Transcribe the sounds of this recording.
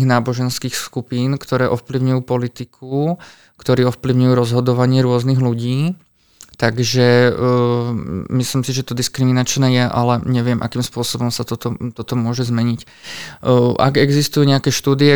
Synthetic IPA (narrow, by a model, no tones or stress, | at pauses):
ɣnaːbɔʒɛnskiːxskupiːnkt̪ɔɾɛːʔɔfpliʊɲujuːpɔlit̪ikʰu | kt̪ɔɾiːɔfpliʊɲujuːɾɔzɦɔd̪ɔʋaɲɪɛɾʊɔzniɣluɟiː | t̪aɡʒɛ | mislimsiʒɛt̪ɔd̪iskɾiminat͡ʃnɛːjɛʔa̰lɛɲɛʋɪɛmʔa̰kiːmspʊɔsɔbɔmsat̪ɔt̪ɔt̪ɔt̪ɔmʊɔʒɛzmɛɲic | ʔa̰ɡɛɡzist̪ujuːɲɛakɛːʃt̪uːd̪iɛ